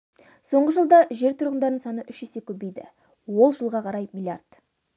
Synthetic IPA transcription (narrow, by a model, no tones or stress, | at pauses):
so̞ɴʁəʒəlˠd̪ɑʒe̞ɾt̪ʰʊɾʁənd̪ɑɾd̪əɴsɑnəʔʏʃʒe̞se̞kʲʰɵbe̞jd̪ɪ̰ | wo̞lˠʒəlˠʁɑqʰɑɾɑjmilʲja̰rt̪